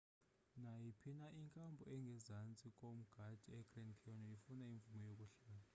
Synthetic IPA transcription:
najipʰinaʔiŋkʼambʱɔɛŋɡʱɛzant͡sʼikʼom̩ɡ̥ʱad̥ʱiɛɡ̥rɛnkʰɛɔnɔifunaiɱvumɔjokʼuɬaːla

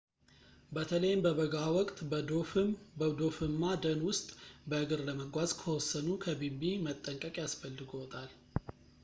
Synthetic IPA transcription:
bət̪ʰələjɪmbəβəɡawɔkʼt̪ʼ | bəd̪o̞fɨmːad̪ənwʊst̪ʼbəʔɨɡɨɾləməɡʷazkʰəwɔsːənukʰəbimbimət̪ʼːəŋkʼəkʼjasfəlːɨɡowɔt̪ʼal

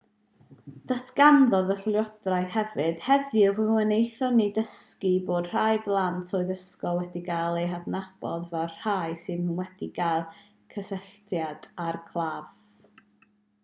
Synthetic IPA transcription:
d̥atʰɡ̥amðɔðərlˠjɔd̥rajðhɛvɨd̥hɛðiərəwɛnejθɔnidəskiboːd̥r̥ajblˠantʰoːɨðəskɔwɛdiɡalˠeɦadnab̥ɔðvɛr̥hajsɨnwɛd̥iɡalˠ | kʰəsɛɬtjad̥arkʰlˠav̥

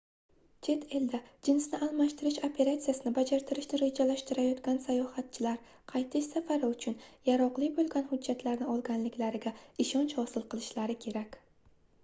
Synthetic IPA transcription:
t͡ʃʰe̞t̪ʰe̞ld̪ad͡ʒɪnsnɪʔalˠmaʃt̪ɪɾɪʃopʰe̞ɾat̪sijasɪnɪbad͡ʒaɾt̪ʰɪɾɪʃnɪɾed͡ʒalaʃt̪ɪɾajɒt̪ɡʲansajɒhat̪̚t͡ʃʰɪlaɾ | qʰɑjt̪ʰɪʃsafaɾɪʊt͡ʃʰʊnjaɾɒqlˠɪkʲbolˠɡʲanhʊd͡ʒːat̪ʰlaɾnɪɒlˠɡʲanlɪkʲlaɾɪɡʲaɪʃɒnt͡ʃhɒsɪlˠqɨlˠɪʃlaɾɪkʲʰe̞ɾakʲ

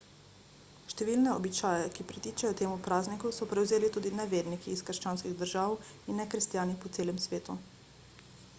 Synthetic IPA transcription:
ʃt̪ɛʋiːlnɛɔbit͡ʃaːjɛkipɾit̪iːt͡ʃajɔt̪eːmupɾaːznikusɔpɾɛwzeːlit̪uːd̪inɛʋeːɾnikiːskəɾʃt͡ʃaːnskiɣd̪əɾʒaːwinːɛkɾɛst̪jaːnipɔt̪seːlɛmsʋeːt̪u

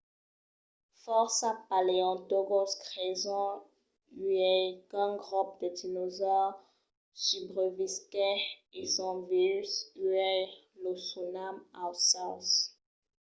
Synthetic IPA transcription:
fɔʁsapaleɑ̃t̪oɡoskʁezɔ̃ | yɛkɛ̃ɡʁup̚d̪ədinozɔʁ | sybʁəviskɛesɔ̃viysyɛ | losunamasɑ̃s

